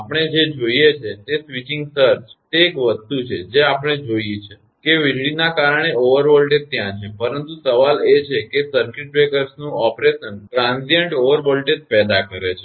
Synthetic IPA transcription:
apɳ̃ed͡ʒed͡ʒoiet͡ʃʰet̪esʋit͡ʃɪ̃ŋɡsəɾt͡ʃt̪eːkʋəst̪ut͡ʃʰed͡ʒeapəɽ̃ed͡ʒojet͡ʃʰe | keʋiɾɽinakaɾəɽ̃eoʋəɾʋɔlʈet̪̚t̪jãt͡ʃʰepəɾənt̪usəʋalet͡ʃʰekesəɾkɪʈ̚ʋekəɾsnũɔpɾeʃənʈɾãnsiəɳʈoʋəɾʋɔlʈet̪̚pɛd̪akəɾet͡ʃʰe

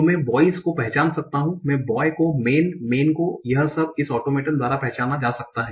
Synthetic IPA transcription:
omɛ̃bɔːɪskopɛɦt͡ʃaːnsɐk̚t̪aɦũmɛ̃bɔːjkomeːnmeːnkojɐɦsɐbɪsɔːʈoːmeːʈənd̪waːɾapɛɦt͡ʃaːnad͡ʒaːsɐk̚t̪aɦɛ̃ː

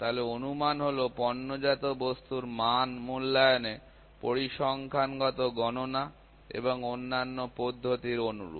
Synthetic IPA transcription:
t̪aɦoleonumanɦolopɔnːod͡ʑat̪obost̪uɾmanmulːajone | poɾiʃɔŋkʰanɡɔt̪oɡɔnona | ḛboŋonːanːopod̪ʱːot̪iɾonṵɾṵ

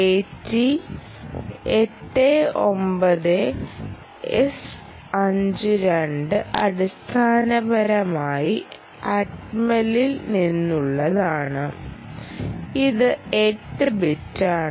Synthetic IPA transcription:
etːi | eʈːeo̞mbɐðɨ | es | ɐɲd͡ʑɨɾeɳɖɨʔɐɽist̪ʰaːnɐbɐɾɐmaːji | ɐʈmɐlilninːuɭːɐðaːɳɨ | iðɨeʈːɨbitːaːɳɨ

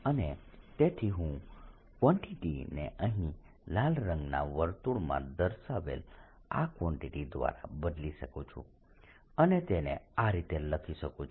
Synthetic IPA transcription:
ənet̪et̪ʰiɦũ | kʋɔ̃ɳʈiʈinḛʔəɦĩ | lalɾə̃ŋɡna̰ʋəɾt̪uɽmã̰d̪əɾʃaʋḛl | akʋɔ̃ɳʈiʈid̪ʋa̰ɾa̰bəd̪liʃəkũt͡ʃʰṵ̃ | ənet̪enḛaɾit̪eləkʰiʃəkũt͡ʃ

